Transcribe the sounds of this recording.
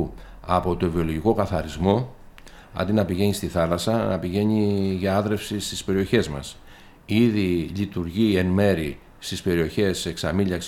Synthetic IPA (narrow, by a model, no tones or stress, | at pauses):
ɐpo̞t̪o̞ivio̞lo̞ʝiko̞kɐθɐɾizmo̞ | ɐ̰nd̪inɐpiʝe̞ɲist̪iθɐlɐsɐnɐpiʝe̞ɲiʝɐɐðɾe̞fsist̪ispe̞ɾio̞çe̞zmɐ̰s | iðiʎit̪uɾʝie̞nme̞ɾi | st̪ispe̞ɾio̞çe̞se̞ksɐmiʎɐks